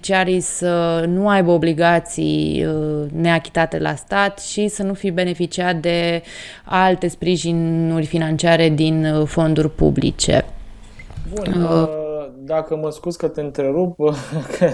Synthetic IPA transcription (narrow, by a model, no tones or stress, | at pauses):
t͡ʃiaɾijsənuajbəobliɡat̪sḭjəne̞akʲi̥t̪at̪e̞̰la̰st̪at̪ʃisənufibe̞ne̞fit͡ʃiat̪̚d̪e̞ | alt̪e̞spɾiʒinurʲfinant͡ʃiaɾe̞d̪info̞nd̪urʲpṵblḭt͡ʃe̞̰ | bu | d̪akəməskuzkət̪eɨnt̪ɾe̞ɾupkʰə